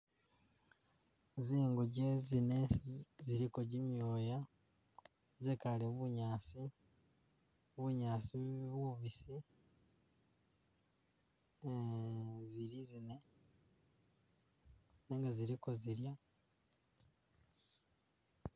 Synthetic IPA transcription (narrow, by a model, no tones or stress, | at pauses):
ziːŋɡuɟezine̞ziɾikoɟimjoːja | zekaleβuɲaːsi | βuɲaːsiβuuβisi | ziɾizine̞ | neŋɡaziɾiko̞ziɾja